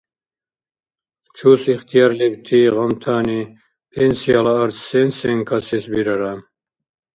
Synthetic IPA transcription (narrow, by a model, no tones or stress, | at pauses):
t͡ʃʰusiχt̪ʰijɑɾlibt̪ʰiʁɑmt̪ʰaːni | pʰensijalaːɾt̪ʰsensɛŋkʰasisbiɾaɾam